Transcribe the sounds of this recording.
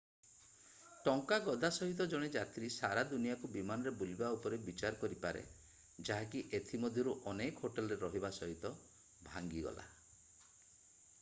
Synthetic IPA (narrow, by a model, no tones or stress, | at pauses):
ʈɔŋkaɡɔd̪asɔɦit̪̬ɔd͡ʒɔɽ̃ed͡ʒat̪ɾisaɾad̪unijakubimanɔɾebulibaupɔɾebit͡ʃaɾɔkɔɾipaɾḛ | d͡ʒaɦakiʔet̪ʰimɔd̪ʱjɔɾuʔɔnekɦoʈelɔɾeɾɔɦibasɔɦit̪ɔ | bʱaŋɡiɡɔ̰la̰